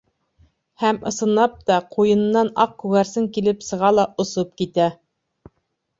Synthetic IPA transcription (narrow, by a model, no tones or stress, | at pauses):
hæmɤ̆sɤ̆nlˠɑp̚t̪ɑqujɤ̆nnːɑnɑq̚kʉɣæɾsɘŋkilɘpsɤ̆ʁɑlˠɑʔŏsop̚kit̪æ